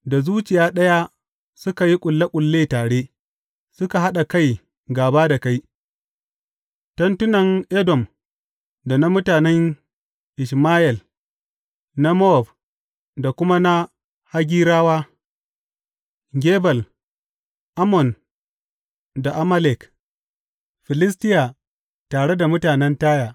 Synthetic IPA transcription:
da˨zuː˦t͡ʃɪ˨jaː˦ɗɐ˦ja˦ | sʊ˦ka˨ji˦kʷʼʊ˨lːa˦kʷʼʊ˨lːeː˦taː˨ɽe˦ | sʊ˦ka˨ɦa˦ɗa˨ka˦˨j | ɡaː˨baː˦da˨ka˦j | tɐ˦ntʊ˦nɐ˨ŋʔɛ˦dɔ˨m | da˨na˦mʊ˦taː˨nɛ˦ŋ | ʔɪ˨ʃmaː˦ʔɛ˨l | na˦mɔ˦˨b | da˨kʷʊ˦ma˦na˦ | ha˦ɡʲiː˦ɾaː˦waː˦ | ɡʲeː˦bɐ˨l | ʔa˦mɔ˨n | da˨ʔa˦ma˦lɛ˨k | ɸɪ˨lɪ˦s̬tɪ˦ja˨ | taː˨ɽe˦da˨mʊ˦taː˨nɛ˦ntaː˦jaː˨

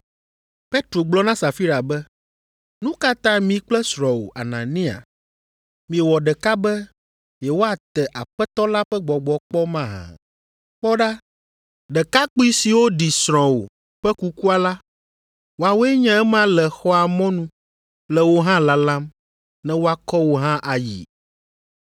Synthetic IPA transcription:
pe˦t̪ɾo˨ɡ͡blɔ˦nã˦sa˨fi˦ɾa˨bɛ˦ | nũ˦ka˦t̪ã˦mĩ˨k͡plɛ˦sɾɔ̃˨wo̰˨ʔa̰˨nã̰˨nĩ˦a̰˨ | mĩ˨ɛ˨wɔ˨ɖɛ˨ka˦bɛ˦ | jɛ˨wo˦a˨t̪ɛ˨ʔa˨ɸɛ˦t̪ɔ˦la˦ɸɛ˦ɡ͡bɔ˨ɡ͡bɔ˨k͡pɔ˦mã˦˨ɦã̰˨ | k͡pɔ˦ɖa˦ | ɖɛ˨ka˦k͡pi˦si˨wo˦ɖi˨sɾ̃ɔ̃˨wo̰˨ | ɸɛ˦ku˦ku˦a˨la˦ | wo˨a˨wo˦ɛ˦ɲã˦ɛ˦m˦ã˦lɛ˨xɔ˦a˨mɔ̃˦nũ˦ | lɛ˨wo˦ɦã˦la˦lã˦m | nɛ̃˦wo˦a˨kɔ˦wo˦ɦã˦ʔa˨jḭ˨

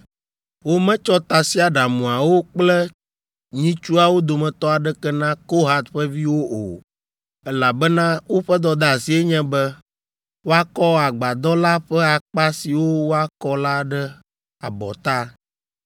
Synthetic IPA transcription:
wo˦mɛ̃˦t͡ʃɔ˦t̪a˨si˦a˨ɖa˨mũ˨a˨wo˦k͡plɛ˦ | ɲĩ˦t͡ʃu˦a˨wo˦d̪o˨mɛ̃˨t̪ɔ˦a˨ɖɛ˦kɛ˦nã˦ko˦ɦa˦t̪ɸɛ˦vi˦wo˦ʔo̰˨ | ɛ˦la˨bɛ˦nã˦wo˦ɸɛ˦d̪ɔ˦d̪a˦˨si˦e˦ɲɛ̃˦bɛ˦ | wo˦a˦kɔ˦a˨ɡ͡ba˨d̪ɔ˦la˦ɸɛ˦a˨k͡pa˦si˨wo˦wo˦a˦kɔ˦la˦ɖɛ˦ | a̰˨bɔ̰˨t̪a˦

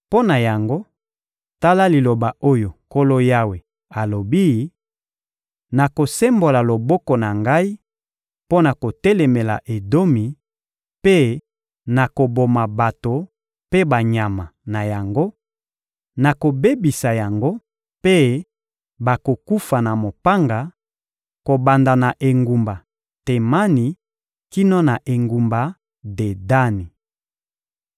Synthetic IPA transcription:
po˦na˨ja˨ŋɡo˦ | ta˦la˦li˨lo˨ba˨ʔo˦jo˨ko˦lo˦ja˦we˨ | a˨lo˨bi˦˨˦ | na˨ko˨se˦mbo˨la˨lo˨bɔ˦kɔ˨na˨ŋɡa˦i˦ | po˦na˨ko˨tɛ˦lɛ˨me˨la̰˨ʔe˨do˦mi˨ | pe˦ | na˨ko˨bo˨ma˨ba˨to˨ | pe˦ba˨ɲa˨ma˨na˨ja˨ŋɡo˦ | na˨ko˨be˦bi˨sa˨ja˨ŋɡo˦ | pe˦ | ba˨ko˨ku˦fa˨na˨mo˨pa˦ŋɡa˨ | ko˨ba˨nda˨na˨ʔe˨ŋɡu˨mba˨ | te˨ma˦ni˨ | ki˦no˦na˨ʔe˨ŋɡu˨mba˨ | de˨da˦ni˨

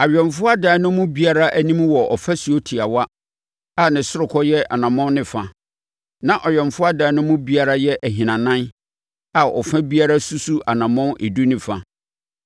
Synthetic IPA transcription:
a˨ɥᶣɛ˨mfʊ˦a˦daː˨˦nʊ̃˦mʊ̃˦bi˦a˦ɾa˦ʔæ˦nĩ˦mwɔ˨ʔɔ˨fa˦si˨o˦tʰi˨a˨wa˦ | a˨nɪ̃˨sʊ˦ɾʊ˨kʰɔ˦jɛ˦ʔa̰˨nã˨mɔ̃˦n˦nɪ̃˨fa˨ | nã˨ʔɔ˨ɥɛ˨m˨fʊ˦a˦daː˨˦nʊ̃˦mʊ̃˦bi˦a˦ɾa˦jɛ˦ʔæ˨ɦĩ˨nã˨nã˦n | a˨ɔ̰˨fã˦bi˦a˦ɾa˦su˦su˦ʔa˨nã˨mɔ̃˦nʔe˨du˦nɪ̃˦fa˨

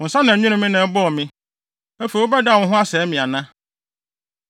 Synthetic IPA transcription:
ʊ̃˨sa˦nã˨˦ɲᶣũ˦nʊ̃˦mɪ̃˦nɛ̃˨˦bɔ˦ɔ˨mɪ̃˦ | ɛ˦fe˨wo˦bɛ˦da˦˨wʊ̃˦ɦʊ̃˦a˦sɛː˨˦mĩ˨a˨nã˦

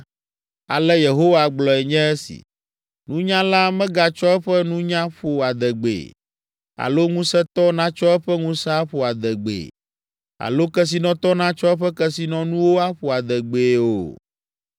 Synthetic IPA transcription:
a̰˨lɛ˦je˨ɦo˦wa˨ɡ͡blɔ˨ɛ˨ɲɛ̃˦ɛ˦sḭ˨ | nũ˦ɲã˦la˦mɛ̃˦ɡa˨t͡ʃɔ˦ɛ˦ɸɛ˦nũ˦ɲã˦ɸo˨a˨d̪ɛ˨ɡ͡bḛ˨ | a̰˨lo˦ŋũ˦sɛ˦t̪ɔ˦nã˦t͡ʃɔ˦ɛ˦ɸɛ˦ŋũ˦sa˦ɸo˨a˨d̪ɛ˨ɡ͡bḛ˨ | a̰˨lo˦kɛ˦s̬i˨nɔ̃˨t̪ɔ˦nã˦t͡ʃɔ˦ɛ˦ɸɛ˦kɛ˦si˨nɔ̃˦nũ˦wo˦a˦ɸo˨a˨d̪ɛ˨ɡ͡be˨o̰˨

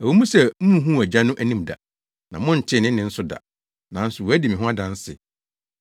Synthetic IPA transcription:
æ˨wo˨˦mũ˦sɛ˨m̩˦mũ˦ɦũ˦˨æ˨d͡ʑa˦nʊ̃˦ʔæ˦nĩ˦m˨da̰˨ | nã˨mʊ̃˦n̩˨t͡ɕʰɪ˦˨nɪ̃˦ɪ̃˦n̩˦sʊ˦da̰˨ | nã˨˦n̩˦sʊ˨wɔ˨æ˦dɪ˨mɪ̃˨ɦʊ̃˦a˦dã˨˦n̩˦sɪ̰˨

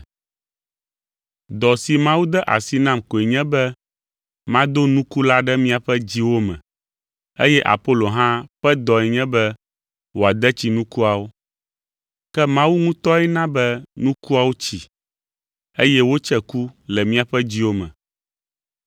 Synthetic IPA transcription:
d̪ɔ˨si˨mã˦wu˦d̪ɛ˦ʔa̰˨si˦nã˦mko˨ɛ˨ɲɛ̃˦bɛ˦ | mã˦d̪o˦nũ˦ku˦la˦ɖɛ˦mĩ˦a˨ɸɛ˦d͡ʑi˦wo˦mɛ̰̃˨ | ḛ˦jɛ˦ʔa̰˨po˦lo˨ɦã˦ɸɛ˦d̪ɔ˨ɛ˨ɲɛ̃˦bɛ˦ | wo˨a˨d̪ɛ˦t͡ɕi˨nũ˦ku˦a˨wo˦ | kɛ˦mã˦wu˦ŋũ˦t̪ɔ˦ɛ˦nã˦bɛ˦nũ˦ku˦a˨wo˦t͡ɕi˨ | e˦jɛ˦wo˦t͡ʃɛ˦ku˦lɛ˨mĩ˦a˨ɸɛ˦d͡ʑi˦wo˦mɛ̰̃˨

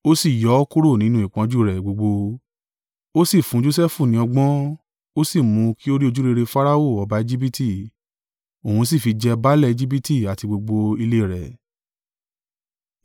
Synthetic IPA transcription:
o˦si˦˨jɔ˨˦ku˦ɾo˦˨nĩ˨˦nũ˧˦i˨k͡pɔ̃˨˦d͡ʒu˦˨ɾɛ˨ɡ͡bo˧ɡ͡bo˧ | o˦si˦˨fũ˨˦d͡ʒo˧s̬ɛ˦fũ˦˨nĩ˨˦ɔ˧ɡ͡bɔ̃˦ | o˦si˦˨mũ˨˧ki˦o˦ɾi˦o˧d͡ʒu˦ɾe˧ɾe˧fa˦ɾa˦o˦˨ɔ˧ba˧e˧d͡ʒi˦bi˦ti˦˨ | o˨ũ˧s̬i˦˨fi˧d͡ʒɛ˧ba˦lɛ˦˨e˧d͡ʒi˦b̬i˦ti˦˨a˨ti˧ɡ͡bo˧ɡ͡bo˧i˧le˦˨ɾɛ˨

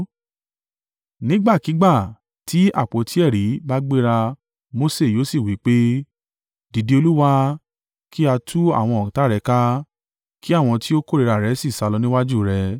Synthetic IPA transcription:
nĩ˦ɡ͡ba˦˨ki˨˦ɡ͡ba˦˨ | ti˨˦a̰˦˨k͡po˨˦tʰi˨˦ɛ˦˨ɾi˨˦ba˦ɡ͡be˦ɾa˧ | mo˦se˦˨joː˨˦si˦˨wi˨˦k͡pe˦ | di˧de˧o˧lu˦wa˦ | kʰi˦a˧tʰu˦a̰˦˨w̃ɔ̃˧ɔ̃˨ta˨˦ɾɛ˨˦ka˦ | ki˦a˦˨w̃ɔ̃˧ti˦o˦ko˦˨ɾe˨˧ɾa˨ɾɛ˨˦si˦˨sa˧lɔ˧nĩ˦wa˦d͡ʒu˦˨ɾɛ˧

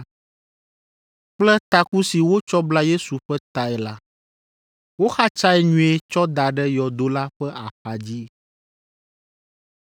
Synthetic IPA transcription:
k͡plɛ˦t̪a˨ku˦si˨wo˦t͡ʃɔ˦bla˦je˦su˨ɸɛ˦t̪a˨ɛ˨la˦ | wo˦xa˦t͡ʃa˦ɛ˦ɲũ˦e˦t͡ʃɔ˦d̪a˨ɖɛ˦jɔ˨d̪o˦la˦ɸɛ˦a˨pa˨d͡ʑi˦

